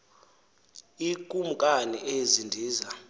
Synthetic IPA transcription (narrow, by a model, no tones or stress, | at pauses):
ikʼumukʼaniʔezindʱiːza